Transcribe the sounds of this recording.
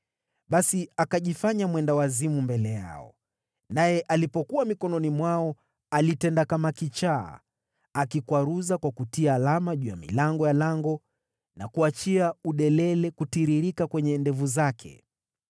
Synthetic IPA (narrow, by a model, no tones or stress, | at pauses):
ɓasiakaʄifaɲamwɛndawazimumbɛlɛja̰ɔ̰ | najɛʔalipɔkuamikɔnɔnimwaɔ | alitɛndakamakit͡ʃa̰ː | akikwaɾuzakwakutiaːlamaʄuja̰mḭlaŋɡɔjalaŋɡɔ | nakuat͡ʃiauɗɛlɛlɛkutiɾiɾikakwɛɲɛndɛvuzakʰɛ̰